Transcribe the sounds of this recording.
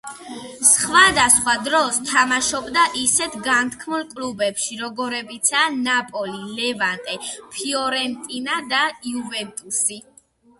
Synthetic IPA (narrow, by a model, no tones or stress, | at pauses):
sχwad̪asχwad̪ɾɔst̪ʰamaʃɔbd̪aʔisɛt̪ʰɡant̪ʰkʰmulˠkʼlubɛpʃiɾɔɡɔɾɛbit̪sʰaːnapʼɔlilɛvant̪ʼɛpʰiɔɾɛnt̪ʼinad̪aiuvɛnt̪ʼusi